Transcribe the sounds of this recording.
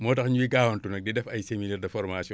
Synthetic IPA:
mɔːtɐxɲuiɡaːwɐntunɐk̚dɛdɛfɐjseminɛːrdɐfɔɾmaːsjɔ

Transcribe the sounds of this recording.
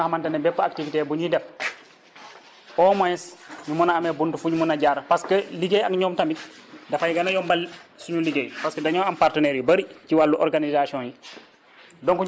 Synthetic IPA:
hamantɐnɛbɛpːɐak̚tivitebuɲidɐp̚ | ɔːmɔjɛsɲumunaamebuntufuɲumunaɟaːɾpaskəliɡejaŋɲɔːmtamidɐfajiɡanajɔːmbalsuɲuliɡejpaskədɐɲɔːampaɾtənɛːɾjibɐɾiciwalːuʔɔɾɡanizasiɔ̃nji | dɔŋku

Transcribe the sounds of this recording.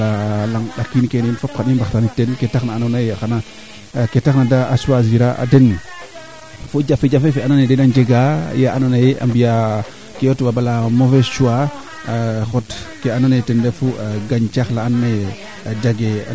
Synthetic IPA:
alaŋɗakːinikenenfap̚kaɗimbaxtanitenketaxnaːnanajaxana | ketaxnada̰ːsuazviɾaʔa̰den | fud͡ʒafed͡ʒafefeananedenand͡ʒeɡajaananajea̰mbija | kejotbabalamofest͡ʃuwa | xotkeananetendefuɡaɲt͡ʃaxlaːnne | d͡ʒaɡea̰

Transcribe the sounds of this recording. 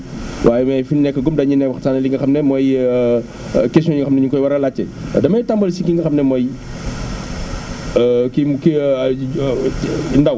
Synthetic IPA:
wʔaːjɛmɛjfinnɛkːɐɡumdɐɲinɛkwɐxsaːnɐliŋɡɐxɐmnɛmɔj | kɛsiɔ̃ɲiŋɡɐxɐmnɛɲuŋkɔjwɐɾɐlat͡ʃːɛ | ɐ̰dɐmɐjtambɐlsikiŋɡɐxɐmnɛmɔj | kimki | ndɐw

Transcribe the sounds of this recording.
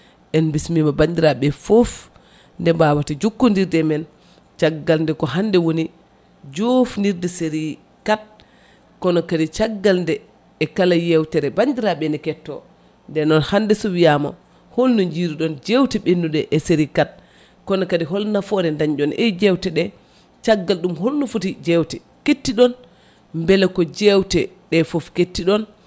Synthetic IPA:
ʔɛnbismimabandiɾaɓɛfof | ndɛmbawatid͡ʒukːundiɾdɛmɛn | t͡ʃaɡːalndɛkɔɦandɛwoni | d͡ʒofndiɾdɛseɾi | kat̚ | kɔnɔkadit͡ʃaɡːalndɛː | kalajɛwtɛɾɛbandiɾaɓɛndɛkɛtːɔ | ndɛnɔnhandɛsɔwijama̰ | holːɔɲd͡ʒiɾiɗɔnd͡ʒewtɛɓenːuɗɛʔɛseɾikat̚ | kɔnɔkadiɦɔlnafɔɾɛndaɲd͡ʒɔnɛd͡ʒɛwtɛɗɛ | t͡ʃaɡːalɗumɦolːɔfutid͡ʒɛwtɛ | ketːiɗɔn | mbɛlɛkɔd͡ʒɛwtɛɗɛfofketːiɗɔn

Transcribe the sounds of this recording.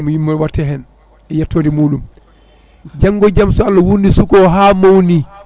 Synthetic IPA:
mɔjimːɔɾwatːɛɦɛn | ɛjatːoːdimuːɗum | d͡ʒaŋːɡɔd͡ʒamsɔalːawunisukɔɦaːmowni

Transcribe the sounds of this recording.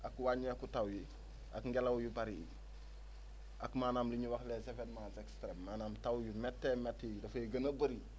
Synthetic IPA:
akwaɲiakutawji | ʔa̰kŋɡelawjubaɾḭ | ʔakmaːnamliɲuwaklesefedmasekstɾemːanaːmtawjimɛtːemetːidɐfeɡənabəɾi

